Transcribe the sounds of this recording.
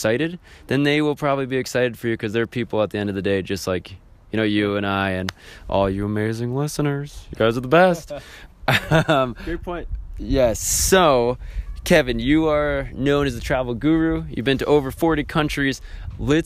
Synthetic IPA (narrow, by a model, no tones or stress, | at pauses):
saɪɾɨd̪̚ðɨ̃nðeɪwɪlˠpʰɹ̥ɑbəblibiɨksaɪɾɨd̥fə˞jʉkʰʌzðə˞pʰipl̩ˠət̪̚ðiɛ̃ndʌvðɨdeɪd͡ʒʌst̚laɪk | jɨñoʊjɨɨ̃ñaɪɨ̃nʔɔ̰lˠjɨəmeɪzɪ̃ŋlɪsə̃nə˞z̥jɨɡaɪzə˞ðəbɛst̚ʌʌ̃mpʰɔ̃ɪ̃jɛsːoʊkʰɛvɨ̃njɨə˞nõʊ̃ñɨzɨtʰɹ̥ævl̩ˠɡʉɹʉjɨ̰vbɨ̃ntɨʔoʊvə˞fɔɹɾikʰʌ̃nt͡ʃɹ̥iz̥lɪt